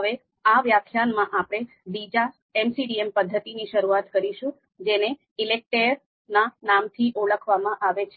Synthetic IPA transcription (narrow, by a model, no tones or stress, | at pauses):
ɦəʋe | aʋjakʰjanmãʔapɽ̃e | bid͡ʒa | ɛmsiɖiempəd̪ʱːət̪iniʃəɾuat̪kəɾiʃũ | d͡ʒene | ɪlek̚ʈeɾ | nanamt̪ʰiʔoɭəkʰʋamãʔaʋet͡ʃʰe